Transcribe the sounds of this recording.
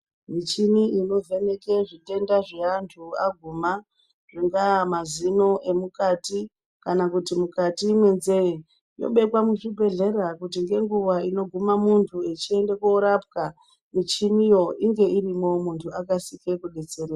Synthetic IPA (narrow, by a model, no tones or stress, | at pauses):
mit͡ʃiniino̞vʱe̞ne̞ke̞ʐite̞ndaʐe̞antʰuaɡʱuma | ʐ̥iŋɡamazino̞ʔe̞mukati | kanakutimukatimwe̞nze̞je | jo̰ɓe̞kwamuʐibʱe̞ɮe̞ɾakut̬iŋɡe̞ŋɡuʋaino̞ɡʱumamuntʰuet͡ʃie̞nde̞koɾap̚ka | mit͡ʃinijo̞ʔiŋɡe̞ʔirimomuntʰuakasikekuɗet͡sereːa